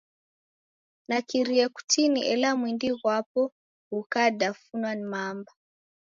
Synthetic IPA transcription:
nakiɾiɛku̥tʰiniʔɛlamwindiɣwapɔ | hukadafunwanmamba

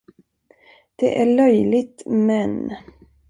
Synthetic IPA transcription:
d̪̥ɛ̰ʔæɭœjlɪt̪mɛn

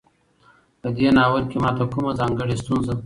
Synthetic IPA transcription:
pəd̪eːnɑːwəɾkemɑt̪akumazɑːŋɡəɽist̪unza

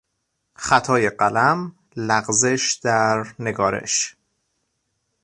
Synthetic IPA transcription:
χæt̪ʰɒːjeɢælæm | læɢzeʃd̪æɾne̞ɡɒːɾḛʃ

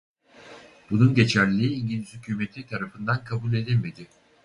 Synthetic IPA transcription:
b̥ununɟe̞t͡ʃʰæɾlʲiːiɲɟilʲiz̥hycʰyːme̞t̪ʰit̪ʰaɾafɯnd̪ankʰabulʲe̞d̪ilʲme̞d̪ɪ

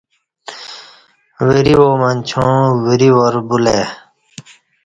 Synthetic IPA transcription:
wiɾiwoːmɐnt͡ɕʰõːwiɾiwoɾbule

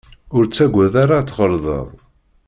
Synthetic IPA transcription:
ʊɾt͡sːæɡʷæðaɾat͡sːʁəɾðˤə̰ðˤ

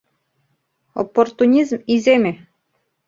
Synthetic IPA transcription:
o̰pːort̪unʲizmizemʲe

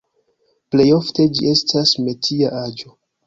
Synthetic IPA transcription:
ple̞jo̞fte̞d͡ʒiʔe̞stʰasme̞tʰiaʔad͡ʒo̞

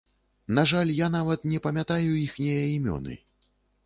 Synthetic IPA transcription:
naʐalʲjanavɐt̪nʲɛpɐmʲat̪ajuixnʲɛjɐimʲɔ̰nɨ̰

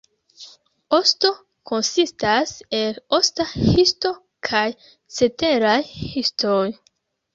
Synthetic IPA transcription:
o̞sto̞ | kʰo̞nsistase̞lo̞stahisto̞ | kʰaj | t͡se̞te̞ɾajhistʰoj

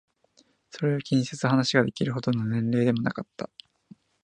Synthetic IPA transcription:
so̞ɾe̞okʲʰĩɰ̃set͡sɨɦanaɕiɡad̪e̞kʲiɾɯ̟hɦo̞d̪o̞no̞nẽ̞nɾe̞ːd̪e̞mo̞na̰kat̪ːa

